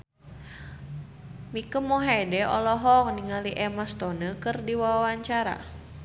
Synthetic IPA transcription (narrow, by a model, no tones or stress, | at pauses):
mikəmːɔɦedɛɔ̰lɔɦɔŋniŋaliʔɛmast̪ɔnəkɨrdiwawawaɲt͡ʃaɾa̰